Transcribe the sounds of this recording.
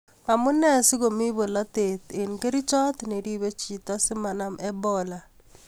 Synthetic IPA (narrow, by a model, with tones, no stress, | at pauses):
ma˨mu˦nɛ˦si˦ɣo˨mi˦βo˨la˦tet̪e˨nke˦ɾi˦t͡ʃɔ˦t̪ne˨ɾi˦βe˦t͡ʃi˨ta˦si˦ma˨na˨mɛ˦bɔla˨